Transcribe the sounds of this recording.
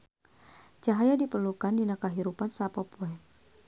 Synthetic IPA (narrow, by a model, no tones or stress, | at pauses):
t͡ʃaɦajadipərlukandinakaɦiɾupansapopuɛ